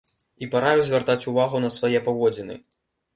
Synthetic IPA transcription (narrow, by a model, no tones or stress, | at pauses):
ipaɾajuzʲvʲart̪at͡sʲuvaɣunɐsvajɛpavɔd͡zʲinɨ̰